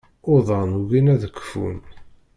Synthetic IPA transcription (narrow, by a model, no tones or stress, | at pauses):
oðˤɑnuɣinæðəkːə̥fṵn